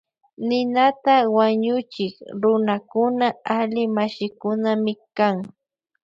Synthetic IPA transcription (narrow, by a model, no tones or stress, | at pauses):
nɪnat̪awaɲʊt͡ʃɪkɾʊnakʊnaalɪmaʃɪkʊnamɪkaŋ